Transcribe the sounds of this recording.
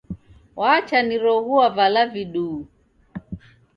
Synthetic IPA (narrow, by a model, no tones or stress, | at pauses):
wat͡ʃaniɾɔɣuavalaviɗuː